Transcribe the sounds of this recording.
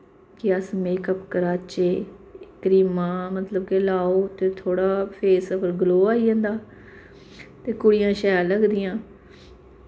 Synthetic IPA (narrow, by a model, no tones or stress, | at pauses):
kɪəsmeːkəpkəɾaːt͡ʃeːkəɾiːmãːmət̪ləbkelaːoːt̪eːt̪ʰoːɽaːpʰeːsəpʰəɾɡəloːaːiːɦə̃nd̪aː | t̪eːkʊɽɪjãːʃaːjaːləɡd̪ɪjãː